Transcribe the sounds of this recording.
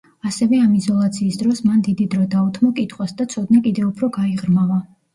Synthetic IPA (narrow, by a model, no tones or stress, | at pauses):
asɛvɛamizɔlˠat̪sʰiːsd̪ɾɔsmand̪id̪id̪ɾɔd̪aut̪ʰmɔkʼit̪ʰχwasd̪at̪sʰɔd̪nakʼid̪ɛupʰɾɔɡaiʁɾmava